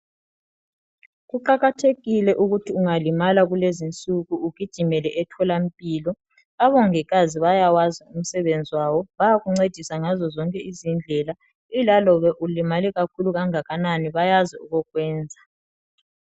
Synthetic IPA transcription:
ɣuǃaɣatʰeɣilɛʔuɣutʰiuŋalimalaɣulezint͡sʼuɣuːɡ̥ʱid̥ʒ̥ʱimɛlɛʔɛtʰɔlam̩pʼiːlɔ | aβɔŋɛɣaziβajawazium̩sɛβend͡zʱiwaβɔβajaɣuŋ͡ǀed̥ʱisaŋazɔzɔŋkʼɛizind͡ɮʱɛla | ilalɔβɛʔulimalɛɣakʰuluɣaŋaɣananiβajazɛuɣɔɣwɛːnd͡zʱa

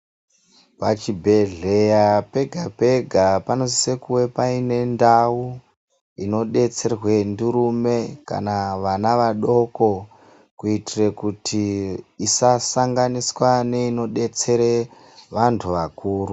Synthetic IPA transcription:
pat͡ʃibʱeɮe̞jape̞ɡʱape̞ɡʱapano̞sise̞kuwe̞paine̞ndawu | ino̞ɗe̞t͡se̞rwe̞ndiɾume̞ka̰naʋanaʋaɗo̞ko̞ | kuitirekutʰiisasaŋɡaniswane̞ino̞ɗe̞t͡se̞ɾe̞ | ʋantʰuʋakuːru

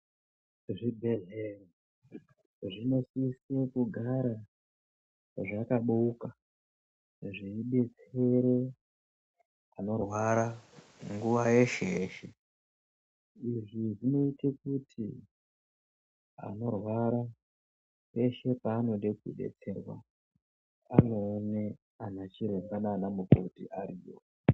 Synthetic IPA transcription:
ʐibʱe̞ɮere | ʐino̞sisiekuɡʱaɾa | ʐakaɓuuka | ʐiiɓe̞t͡se̞ɾe̞ | ano̞rwaɾa | ŋɡuʋaje̞ʃeeːʃe̞ | iʐiʐino̞itek̚utʰi | a̰no̞rwaɾa | pe̞ʃe̞paːno̞ɗe̞kṵɗe̞̰t͡se̞rwa̰ | a̰no̞ːne | anat͡ʃiɾembananamuko̰tḭʔaɾiːwo̰

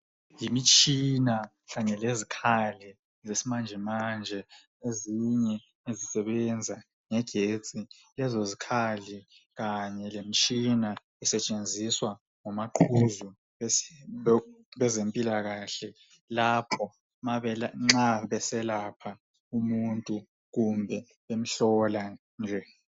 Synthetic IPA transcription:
jimit͡ʃʰʼina | ɣaɲɛlezikʰali | zesimand͡ʒʱɛmand͡ʒʱɛ | eziɲɛ | ezisɛɓɛnd͡zʱa | ŋɛɡ̥ʱet͡sʼi | lɛzozikʰali | ɣaɲɛlemit͡ʃʼʰina | ɛsɛt͡ʃʼend͡zʱiswa | ŋɔmaǃʰuzu | ɓɛzempʼilaɣaːɬɛ | lapʰɔ | maɓɛlaŋ͡ǁaɓɛsɛlapʰa | umuntʼu | ɣ̬umbʱɛ | ɓem̩ɬɔla | nd͡ʒʱɛ

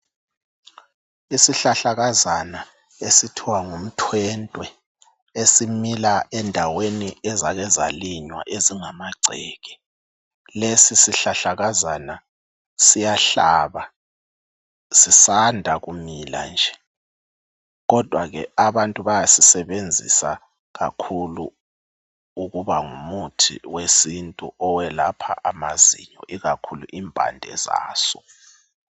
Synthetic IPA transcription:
isiɬaɬaɣazana | esitʰiwaŋum̩tʰwɛntʼwɛ | esimilaʔɛndʱaweniɛzaɣɛza̰liɲwa̰ʔeziŋamaɡ͡ǀʱeːɣi̥ | lesisiɬaɬaɣazana | sijaɬaβa | sisandʱaɣumila̰nd͡ʒʱɛ | ɣɔd̥ʱwaɣɛ̰aβantʼuβajasisɛɓend͡zʱḭsa | ɣa̰kʰulṵ | uɣuβaŋumutʰḭwesintʼṵʔɔwɛlapʰa̰ʔamazḭɲɔʔiɣakʰulṵʔiːmbʼʱa̰ndʱɛ̰za̰ːsɔ̥

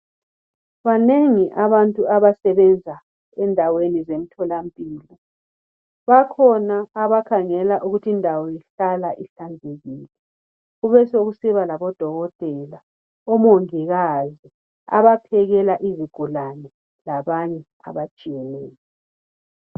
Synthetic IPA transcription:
βaneŋiʔaβantʼuaβasɛβɛnd͡zʱa | ɛndʱawenizem̩tʰɔlampʼiːlɔ | βakʰɔnaːβakʰaŋɛlaʔuɣutʰiːndʱawɔjiɬalaʔiɬand͡zʱeɣiːlɛ | ɣuβɛsoɣusiβalaβɔd̥ʱɔɣɔtʼɛla | ɔmoŋiɣazi | a̰βapʰɛɣɛlaʔiziɡ̥ʱulanɛ | laβaɲɛ | a̰βat͡ʃʼijɛnɛːlɛ

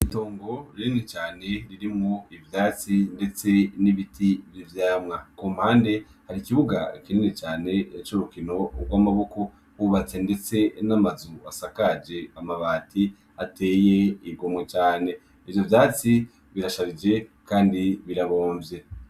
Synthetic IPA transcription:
ito̞ːŋɡo̞ɾiɾinit͡ʃaːne̞ɾiɾimŋoivjaːt͡sinde̞t͡se̞niβitʰivjivjaːmŋakumhaːnde̞ | haɾikiβuɡa̰kininit͡ʃaːne̞jat͡ʃuɾukino̞ɡwamaβo̞ko̞ | huβat͡se̞nde̞t͡se̞namazuasakad͡ʒe̞amaβaːtʰi | ate̞ːje̞iɡo̞mwet͡ʃaːne̞ | ivjovjaːt͡si | βiɾaʃaβid͡ʒe̞kaːndiβiɾaβo̞ːɱvje̞

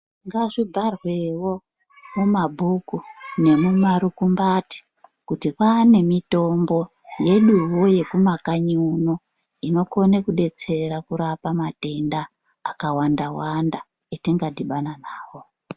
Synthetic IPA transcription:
ŋɡaʐibʱarwewo̞ | mumabʱukune̞mumaɾukumbati̥ | kutipane̞mito̞mbo̞ | je̞ɗuwoje̞kumakaɲiuno | ino̞ko̞nekuɗe̞t͡se̞ɾakuɾapamate̞ndaː | kawandawanda | etiŋɡadiɓananaːwo̞

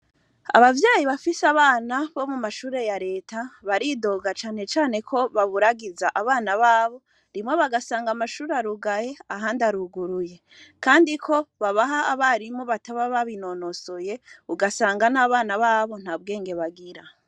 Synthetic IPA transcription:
a̰βavjaːjiβafisaβaːnaβo̞mumaʃuːɾe̞jaɾe̞ːtʰaβaɾido̞ɡat͡ʃaːne̞t͡ʃaːne̞kʰo̞βaβuɾaɡizaʔaβaːnaβaːβo̞ | ɾimŋo̞βaɡasaːŋɡamaʃuːɾeaɾuɡaje̞aɦandaɾuɡuɾuje̞ | kaːndikʰo̞βaβaɦaːβaɾimo̞βataβaβaβino̞no̞soje̞uɡasaːŋɡanaːβaːnaβaːβo̞n̥haːbɡe̞ːŋɡe̞βaɡiɾa

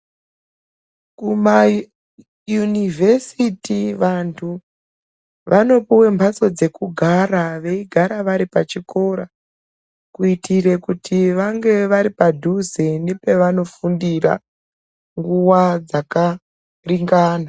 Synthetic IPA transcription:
kuma | junivʱe̞sitiʋantʰu | ʋʔano̞puwe̞mbʱaso̞d͡ze̞kuɡʱaraʋe̞iɡʱaɾaʋaɾipat͡ʃiko̞ɾa | kuitire̞kutʰiʋaŋɡe̞ʋaɾipadʱuzenepe̞ʋano̞fundira̰ | ŋɡuwad͡zaka | riŋɡaːna

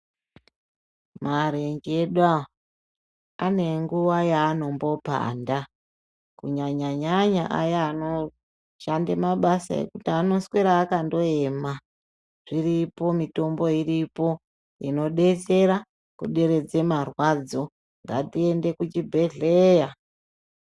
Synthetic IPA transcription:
maɾeŋɡeɗwa | ne̞ŋɡuʋajaːno̞mbo̞pa̰nda | kuɲaɲaɲaɲaʔa̰jaːno̞ | ʃandemaɓasa̰ḛkutiano̞sweɾaːkando̞e̞ːma | ʐ̥iripo̞mito̞mbo̞iripo̞ | ino̞ɗe̞t͡se̞ɾa | kuɗe̞ɾe̞d͡ze̞marwad͡zo̞ | ŋɡatie̞nde̞kut͡ʃibʱe̞ɮeja

